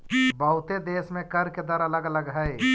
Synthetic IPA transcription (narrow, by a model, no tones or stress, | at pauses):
bɐɦʊt̪ed̪eːsmẽkɐɾked̪əɾɐləɡɐləɡɦɛe